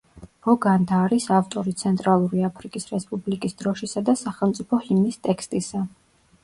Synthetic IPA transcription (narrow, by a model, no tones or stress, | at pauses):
ɾɔɡand̪aːɾisaft̪ʼɔɾit̪sʰɛnt̪ʼɾalˠuɾiapʰɾikʼisɾɛspʼublikʼisd̪ɾɔʃisad̪asaχɛlˠmt̪sʼipʰɔhimnist̪ʼɛkʰst̪ʼisa